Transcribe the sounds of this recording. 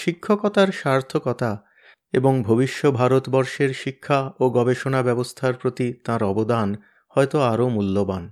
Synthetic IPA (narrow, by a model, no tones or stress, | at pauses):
ʃikʰːokɔt̪aɾʃaɾt̪ʰokɔt̪a | eboŋbʱobiʃːobʱaɾot̪bɔɾʃeɾʃikʰːaoɡɔbeʃonabɛbost̪ʰaɾpɾot̪it̪ãɾɔbod̪an | hɔet̪oaɾomulːoban